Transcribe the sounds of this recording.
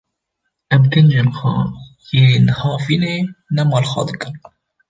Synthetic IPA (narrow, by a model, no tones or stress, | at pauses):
ʔɛmkɨnd͡ʒemxɑ̰ | jenhɑːviːneːnɛmɑːlxʷɑ̰d̪ɨkɨm